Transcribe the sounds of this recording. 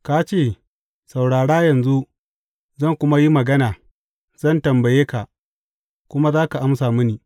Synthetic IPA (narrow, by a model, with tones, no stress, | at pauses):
ka˦t͡ʃeː˦˨ | sa˨wɽaː˨ɽaː˦jɐ˨nzu˦ʔ | zɐ˦˨ŋkʷʊ˦ma˦ji˦mɐ˨ɡɐ˦naː˨ | zɐ˦˨ntɐ˨mbɐ˨jeː˦ka˨ʔ | kʷʊ˦ma˦zaː˦ka˨ʔa˦msaː˨mʊ˦niː˨